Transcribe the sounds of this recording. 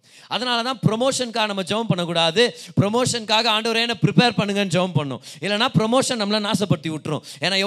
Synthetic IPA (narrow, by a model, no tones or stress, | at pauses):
ɐðɐnaːlɐt̪ãːpɾɔmoːʂɐnkaːɣɐnɐmːɐd͡ʒɛʋɐ̃mpɐɳːɐkːuːɽaːðɯpɾɔmoːʂɐnkaːɣɐaːɳɖɐʋɐɾeːnːɐpɪɾɪpeːɾpɐɳːɯŋɡɐnːɯd͡ʒɛʋɐmpɐɳːʊ̰̃ɪlːɐnːaːpɾɔmoːʂɐnnɐmːɐlãnaːsɐpːɐɽɯt̪ːiʋɪʈːɾʊ̰̃eːnaːɛ